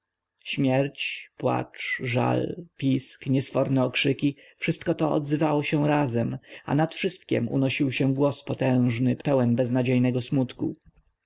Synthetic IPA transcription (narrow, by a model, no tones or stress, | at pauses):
ɕmʲjɛɾt͡ɕpwa̰t͡ʂʐa̰lpʲiskɲɛsfɔɾnɛɔkʂɘkʲi | fʂɘst̪̚kɔt̪ɔɔ̰d̪zɘvawɔɕɛw̃ɾazɛma̰nat̪fʂɘst̪̚kʲɛ̰mṵnɔɕiwɕɛɡwɔspɔt̪ɛ̃w̃ʐnɘpɛwɛnbɛznad͡ʑejnɛɡɔsmut̪kṵ